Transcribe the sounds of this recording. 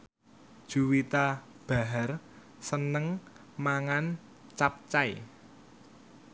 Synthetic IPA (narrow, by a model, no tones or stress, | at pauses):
d̥ʒ̥uwit̪a | b̥a̤ɦar | sənəŋ | maŋan | t͡ʃap̚t͡ʃaj